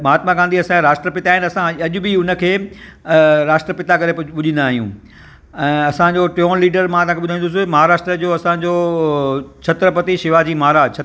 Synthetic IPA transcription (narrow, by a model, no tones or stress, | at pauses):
maːt̪mãkãnd̪iɐsãkeɾaːʂʈɾəpɪt̪aːɦɪnɪɐsãɐʄʊbɪʊnə̆kʰeː | ɾaːʂʈɾəpɪt̪akɐɾeɓʊʄĩn̆d̪aːɦijũ | ɛ̃ːɐsãd͡ʑoʈoːnliːɖəɾmãt̪ɐ̃ãkʰeʊd̪ʱaĩnd̪ʊs̬ɪmɐɦaːɾaːʂʈɾəd͡ʑoɐsãd͡ʑoː | t͡ɕʰɐt̪ɾəpɐt̪iʃɪʋad͡ʑiːmaɦaɾat͡ɕʰ